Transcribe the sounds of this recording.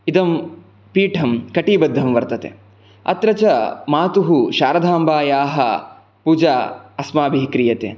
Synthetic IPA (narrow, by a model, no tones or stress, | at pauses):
id̪ɐm | piːʈʰɐmkɐʈiːbɐd̪ʱːɐmʋɐɾt̪ɐt̪ḛ | ɐ̰t̪ɾɐt͡ʃɐmaːt̪uɦuʃaːɾɐd̪ʱaːmbaːjaːɦɐ̰ | puːd͡ʒaːɐsmaːbʱiɦkɾijɐt̪ḛː